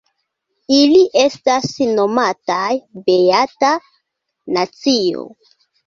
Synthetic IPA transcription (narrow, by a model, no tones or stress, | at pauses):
iliʔestasno̞matajbeata | nat͡sio̰